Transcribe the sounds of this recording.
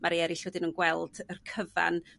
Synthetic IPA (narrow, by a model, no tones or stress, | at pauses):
mʔaɾiɛɾɪɬwədɪnənɡwɛlˠdərkʰəva̰n